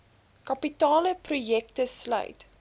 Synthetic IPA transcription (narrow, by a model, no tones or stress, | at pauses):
kɐpitɑːləprujɛk̚təslœ̰ɥt